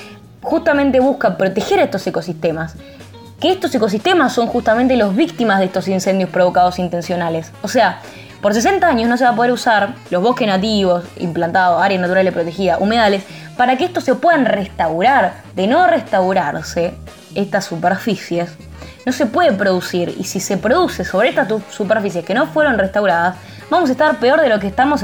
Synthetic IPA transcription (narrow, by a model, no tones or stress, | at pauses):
xust̪amẽ̞nt̪e̞βuskapɾo̞t̪e̞xe̞ɾest̪o̞seko̞sist̪e̞mas | keehst̪oseko̞s̬ist̪e̞masːo̞ŋxust̪ament̪elozβikt̪imazð̞est̪o̞s̬inse̞nd̪jo̞hpɾo̞βo̞kaðo̞sint̪e̞nsjo̞naleso̞sea | po̞ɾs̬e̞s̬e̞nt̪aaɲosnos̬eβap̬oðeɾusaɾloβ̞o̞hkenat̪̬iβo̞sḭmplant̪aðoaɾjanat̪uɾalepɾot̪e̞xiðaʔumeðales | paɾakeeht̪o̞se̞pwe̞ðanrest̪awɾaɾ | d̪eno̞rest̪awɾaɾse | est̪asːupeɾfisjes | no̞se̞pwe̞ðepɾo̞ð̞usiɾḭsise̞pɾo̞ðuse̞so̞βɾeeht̪assupeɾfis̬je̞skeno̞fwe̞ɾo̞nrest̪awɾaðas | βamos̬aest̪aɾpe̞o̞ɾð̞e̞lo̞k̬eːst̪amo̞s